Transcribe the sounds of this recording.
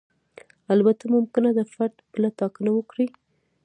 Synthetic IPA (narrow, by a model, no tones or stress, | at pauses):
albat̪amʊmkɪnad̪əfaɾd̪pəlat̪ɑkənawəkɽi